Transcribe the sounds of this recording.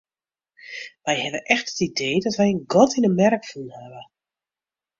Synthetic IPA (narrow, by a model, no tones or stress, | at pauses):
ʋɛjhɛvəʔɛxtətideːdɔtʋɛjənɡɔtinəmɛrkfunhɛvə